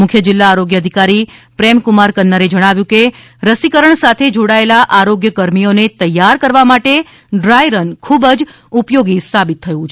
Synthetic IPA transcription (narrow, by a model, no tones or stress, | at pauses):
mʊkʰjəd͡ʒɪlːaːɾoɡjəːd̪ʱikaɾipɾemkumaɾkənːəɾed͡ʒəɽ̃aʋjũke | ɾəsikəɾəɳsat̪ʰed͡ʒoɽaelaʔaɾoɡjəkəɾmijonet̪əjːaɾkəɾʋamaʈe | ɖɾajɾənkʰubəd͡ʒ | upjoɡisabit̪ʰːəjũt͡ʃʰe